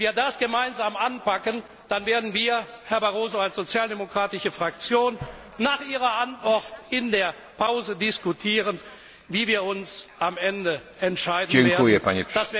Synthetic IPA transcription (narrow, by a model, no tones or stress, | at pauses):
viːɐdasɡ̥əmaɪnzaːmʔanpakən | d̥anveːɐdn̩viːɐhɛɐbaʁoːzoalsz̥ot͡sjaːldemokʁ̥aːtɪʃəfʁ̥akt͡sjoːnː | aːχʔiːʁɐʔantv̥ɔtɪndeːɐ | pʰaʊzədɪskutʰiːʁən | viːviːɐʊnsʔamʔɛndə | ɛntʃaɪdn̩veːɐupʰa̰nɪd̥as